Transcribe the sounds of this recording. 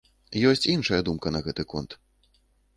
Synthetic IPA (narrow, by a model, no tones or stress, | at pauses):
jɔsʲt͡sʲinʂɐjɐd̪umkɐnɐɣɛt̪ɨkɔ̰nt̪